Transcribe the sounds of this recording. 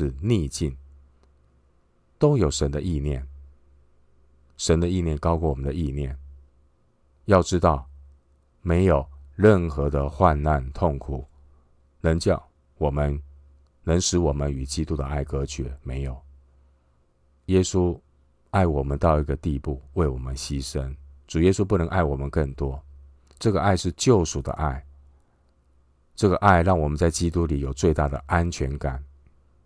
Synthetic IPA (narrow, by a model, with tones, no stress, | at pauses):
ɻ̩˥˧ni˥˧t͡ɕi˥˩n | t̪o˥ʊjo˨˩ʊʂə˧˦˥nd̪ə˧ʔi˥˧njɛ̰˥˩n | ʂə˧˥nd̪ə˧i˥˧njɛ˥˩nkɑ˥ʊku˥˩wɔ˨˩mə˦nd̪ə˦˧i˥˧njɛ˥˩n | jɑ˥˩ʊʈ͡ʂɻ̩˥t̪ɑ˥˩ʊ | me˧˥ɪjo˨˩ʊɻə˥˩nxɤ˧˥d̪ə˧xwa˥˧nna˥˧nt̪ʰʊ˥˩ŋkʰu˨˩ | nə˧˦˥ŋt͡ɕjɑ˥˩ʊ | wɔ˨˩mə˦n | nɤ˧˥ŋʂɻ̩˧˥wɔ˨˩mə˦ny˨˩t͡ɕi˥t̪u˥d̪ə˨ʔa˥˩ɪkɤ˥ɕʰɥɛ˧˥˦me˧˥ɪjo˨˩˦ʊ | jɛ˥su˥ | a˥˩ɪwɔ˨˩mə˨˦nt̪ɑ˥˧ʊi˥˩ɡə˨t̪i˥˧pu˥˩we˥˩ɪwɔ˨˩mə˦nɕi˥ʂə˦nʈ͡ʂu˨˩jɛ˦su˥˦pu˥˩nɤ˧˥ŋʔa˥˩ɪwɔ˨˩mə˦nkə˥˨˩nt̪wɔ˥ | ʈ͡ʂɤ˥˩ɡə˨ʔa˥˧ɪʂɻ̩˥˧t͡ɕjo˥˩ʊʂu˨˩d̪ə̰˦ʔa˥˩ɪ | ʈ͡ʂɤ˥˩ɡə˩ʔa˥˧ɪɻɑ˥˩ŋwɔ˨˩mə˦nt͡sa˥˩ɪt͡ɕi˦˥t̪u˦li˨˩jo˨˩ʊt͡swe˥˧ɪt̪a˥˩d̪ə̰˩ʔa˦nt͡ɕʰɥɛ˧˥nka˨˩˦n